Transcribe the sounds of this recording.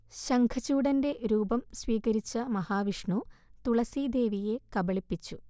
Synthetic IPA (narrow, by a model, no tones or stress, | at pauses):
ɕɐŋkʰɐt͡ɕːuːɽɐnde̞ɾuːbɐmsʋiːkɐɾit͡ɕːɐmɐhaːʋiʂɳut̪uɭɐsid̪e̞ːʋije̞kɐbɐɭipːit͡ɕːu